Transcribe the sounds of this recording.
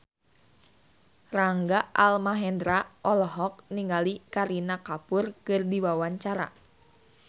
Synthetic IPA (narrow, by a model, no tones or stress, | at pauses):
raŋɡaʔalmaɦɛndɾaʔɔlɔɦɔk̚niŋɡalikaɾinakapʊrkɨrdiwawaɲt͡ʃaɾa̰